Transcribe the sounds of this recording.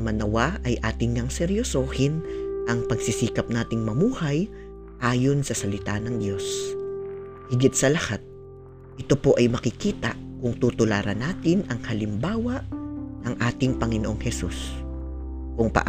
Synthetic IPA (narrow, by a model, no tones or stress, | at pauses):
mɐnɐwaʔɐjʔaːt̪ɪŋːɐŋsɛɾjosoːhɪnʔɐŋpɐɡsɪsiːkɐp̚naːt̪ɪŋmɐmuːhɐj | ʔaːjo̞nsɐsɐlɪt̪anɐŋd̪jo̞s | hɪɡɪt̪̚sɐlɐhat̪̚ | ʔɪt̪o̞po̞ʔɐjmɐkɪkiːt̪ɐkʊŋt̪ut̪ʊlaːɾɐnaːt̪ɪnɐŋhɐlɪmbaːwɐʔnɐŋʔaːt̪ɪŋpɐŋɪnoʔoŋhɛsṵs | kʊŋpɐ̰ʔ